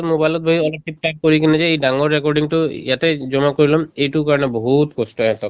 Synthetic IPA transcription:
tmobajlɔt̚bʱoɦiɔlɔp̚ʈip̚ʈak̚kːoɹikinɛzɛejdaŋɔɹːɛkɔɹɖiŋtʊjatɛzɔmakoɹilɔmejtukaɹɔnɛboɦutkɔstɔɛɦɛt̪ɔt

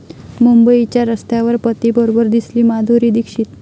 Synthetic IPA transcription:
mumbəit͡ɕjaɾəst̪jaʋəɾpət̪ibəɾobəɾd̪isliːmad̪ʱuɾiːd̪ikʂit̪

